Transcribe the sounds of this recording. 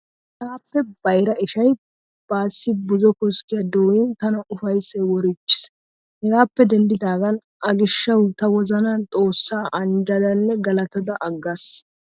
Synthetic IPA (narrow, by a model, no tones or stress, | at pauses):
hɡaːpːɛb̥ɐjɾɐɪʃɐj | b̥aːsːɪbʊzɔkɔskːɪjɐd̪oːjɪnt̪ɐnɐʔʊfɐjsɛwɔɾɪt͡ʃːɪ̥s | hɛɡaːpːɛd̪ɛnd̪ɪd̪aːɡɐn | ʔɐɡɪʃːɐwt̪ɐwɔzɐnɐt̪ʼo̞ːsːaːʔɐnd͡ʒɐd̪ɐnːɛɡɐlɐt̪ɐd̪ɐʔɐɡːas